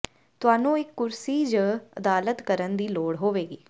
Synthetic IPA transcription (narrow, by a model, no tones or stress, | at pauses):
t̪ʊaːnũːɪkːʊɾsiːd͡ʒəːəd̪aːlət̪kəɾənd̪iːloːɽɦoːʋeːɡiː